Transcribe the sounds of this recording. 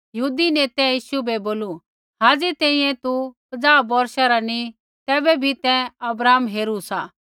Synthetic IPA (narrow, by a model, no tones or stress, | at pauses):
jɐɦuːd̪ineːt̪ɛ̃jiːʃubɛboːlu | ɦaːd͡zit̪ɛ̃ːĩjɛ̃t̪upɐd͡zaːbɔɾʃaɾani | t̪ɛːbɛbʱit̪ɛ̃ɐbɾaːmɦeːɾusaː